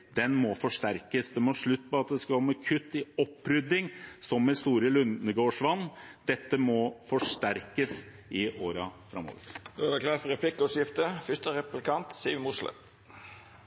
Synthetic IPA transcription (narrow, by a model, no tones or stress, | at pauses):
d̪̥ɛnmɔfɔʂʈæɾkəsd̪ɛmɔːʂɭʉt̪ːpɔɑt̪d̪ɛskɑkɔmːɛkʰʉt̪ːɪɔpːɾʏd̪ːɪŋsɔmːɛnst̪uːɾəlʉnəɡoːʂʋɑnːd̪̥ɛt̪ːəmɔfɔʂʈ̪æɾkəs | ɪʔoːɾɑfɾɑmːo̰ːʋə̰ɾd̪oɑd̪ɛkʰlɑːt̪fɔɾɛpʰlɪkːɔʂɪft̪əfʏst̪əɾɛpplɪkʰɑnt̪siːʋmʊʂlɛ̰t̪